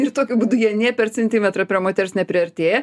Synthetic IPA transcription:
ɪrt̪oːkʲʊbuːd̪ʊjiɛnʲiɛpʲɛɾt͡sʲɛnʲt̪ʲiːmʲɛt̪ɾɐpʲɾʲɛmoːt̪ʲɛɾʲsnʲɛpʲɾʲɪɐɾʲt̪ʲeːjɛ

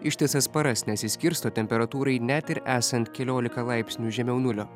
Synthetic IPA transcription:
ɪʃʲt̪ʲɪsɐspɐɾɐsnʲɛt̪sʲɪsʲkʲɪɾst̪oːt̪ʲɛmʲpʲɛɾɐt̪uːɾɐɪnʲɛt̪ɪɾæːsɐnt̪ʲkʲɛlʲoːlʲɪkɐlˠɑɪpʲsʲnʲuːʒʲɛmʲɛʊnʊlʲoː

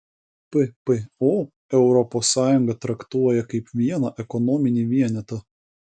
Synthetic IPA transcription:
pepeoː | ɛʊɾɔpɔːsːɑːjʊŋɡɐt̪ɾɐkt̪uɔjɛkɐɪpʋʲiɛnɐʔɛkɔnɔːmʲɪnʲiːʋʲiɛnʲɛt̪ɐ

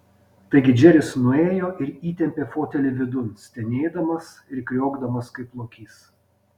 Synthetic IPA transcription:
t̪ɐɪɡʲɪd͡ʒʲɛɾʲɪsnʊeːjoːʔɪɾiːt̪ʲɛmʲpʲeːfoːt̪ʲɛlʲɪʋʲɪd̪ʊnsʲt̪ʲɛnʲeːd̪ɐmɐs | ɪɾkɾʲoːɡd̪ɐmɐskɐɪplˠoːkʲiːs

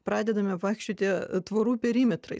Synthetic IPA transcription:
pɾɑːd̪ʲɛd̪ɐmʲɛʋɑɪkʃʲt͡ʃʲoːt̪ʲɪt̪ʋɐɾuːpʲɛɾʲiːmʲɛt̪ɾɐɪ

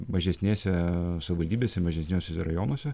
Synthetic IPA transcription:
mɐʒʲɛsʲnʲeːsʲɛsɐʋʲɪʋɐlʲd̪ʲiːbʲeːsʲɛmɐʒʲɛsʲnʲoːsʲɛsɛɾɐjoːnoɔsʲɛ

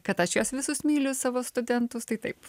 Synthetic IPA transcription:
kɐt̪ɐʃjoːsʋʲɪsʊsmʲiːlʲʊssɑːʋoːst̪ʊd̪ʲɛnt̪ʊst̪ɐɪt̪ɐɪp

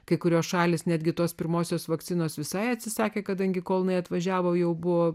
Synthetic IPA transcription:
kɐɪkʊɾʲoːsʃɑːlʲeːsnʲæd̪ɡʲɪt̪oːspʲɪɾmoːsʲoːsʋɐkt̪t͡sʲɪnoːsʋʲɪsɐɪɐt̪ʲsʲɪsɑːkʲeːkɐd̪ɐŋʲɡʲɪkoːlˠnɐɪɐt̪ʋɐʒʲæːʋoːjɛʊbʊʋoː

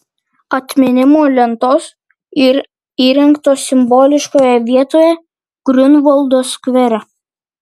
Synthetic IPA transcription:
ɐt̪ʲmʲɪnʲɪmoːlʲɛnt̪oːs | ɪɾ | iːɾʲɛŋkt̪oːsʲɪmboːlʲɪʃkoːjɛʋʲiɛt̪oːjɛ | ɡ̥ɾʲʊnʋolˠd̪oːskʋʲɛɾʲɛ

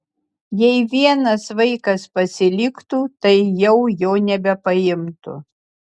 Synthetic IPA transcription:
jɛɪʋʲiɛnɐsʋɐɪkɐspɐsʲɪlʲɪkt̪uːt̪ɐɪjɛʊjoːnʲɛbʲɛpɐɪmt̪ʊ̰

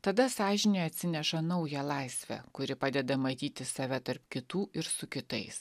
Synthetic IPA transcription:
t̪ɐd̪ɐsɑːʒʲɪnʲeːɐt̪ʲsʲɪnʲɛʃɐnɐʊjɛlˠɑˑɪsʲʋʲɛ̰kʊɾʲɪpɑːd̪ʲɛd̪ɐmɐt̪ʲiːt̪ʲɪsɐʋʲɛt̪ɐɾpkʲɪt̪uːʔɪɾsʊkʲɪt̪ɐɪs

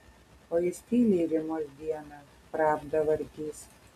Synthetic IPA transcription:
oːjɪsʲt̪ʲiːlʲiːɾʲɪmoːsʲd̪ʲiɛnɐ | pɾɑːbd̪ɐʋɐɾʲkʲiːs

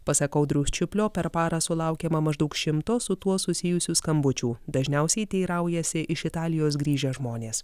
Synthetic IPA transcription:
pɐsɐkɐʊd̪ɾʲuːsʲt͡ʃʲʊpʲlʲoːpʲɛɾpɑːɾɐsʊlˠɑˑʊkʲɛmɐmɐʒd̪ɐʊkʃʲɪmt̪oːsʊt̪uɔsʊsʲɪjʊsʲuːskɐmbʊt͡ʃʲuːd̪ɐʒʲnʲɛˑʊsʲɛɪt̪ʲɛɪɾɐʊjɛsʲɪʔɪʃɪt̪ɑːlʲɪjoːs̬ɡɾʲiːʒʲɛʒmoːnʲeːs

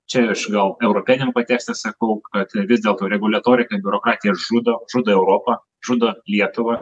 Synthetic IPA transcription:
t͡ʃʲɛɪʃɡɐlˠɛʊɾoːpʲɪnʲɛmpɐt̪ʲæːksʲt̪ʲɛssɐkɐʊkɐt̪ʋʲɪzʲd̪ʲeːlˠt̪oːɾʲɛɡʊlʲɐt̪oːɾʲɪkɐbʲʊɾoːkɾɑːt̪ʲɪjɛʒud̪oːʒʊd̪oːɛʊɾoːpɐ | ʒʊd̪oːlʲiɛt̪ʊʋɐ

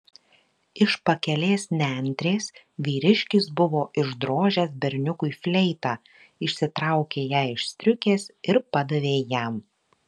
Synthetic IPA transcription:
ɪʃpɐkʲɛlʲeːsnʲænʲt̪ʲɾʲeːs | ʋʲiːɾʲɪʃʲkʲɪsbʊʋoːʔɪʒd̪ɾoːʒʲɛsbʲɛɾʲnʲʊkʊɪfʲlʲɛɪt̪ɑː | ɪʃʲsʲɪt̪ɾɐˑʊkʲeːjæːɪʃʲsʲt̪ʲɾʲʊkʲeːsɪɾpɐd̪ɐʋʲeːjæm

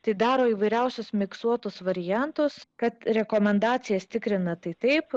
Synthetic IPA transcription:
t̪ɐɪd̪ɑːɾoːiːʋɐɪɾʲɛʊsʲʊsmʲɪkst̪uɔt̪ʊsʋɐɾʲɪjænt̪ʊskɐt̪ɾʲɛkoːmʲɛnd̪ɑːt͡s̪ʲɪjɛst̪ʲɪkɾʲɪnɐt̪ɐɪt̪ɐɪp

